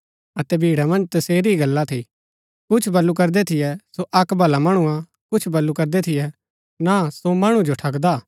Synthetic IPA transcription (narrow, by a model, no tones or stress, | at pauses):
ɐt̪ɛbʱiːɽamɐ̃nd͡ʒt̪ɐseːɾiɡɐlːat̪ʰi | kʊt͡ʃʰbɐlːukɐɾd̪ɛt̪ʰɪjɛsoʔɐkbʱɐlamɐɽ̃uã | kʊt͡ʃʰbɐlːukɐɾd̪ɛt̪ʰɪjɛ | nasomɐɽ̃ũd͡ʒoʈʰɐkd̪aː